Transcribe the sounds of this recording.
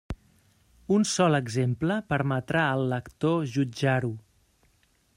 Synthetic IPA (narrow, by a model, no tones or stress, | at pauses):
unsɔləɡzempləpəɾmət̪ɾaəlˠːəkt̪oʒud͡ʒaɾu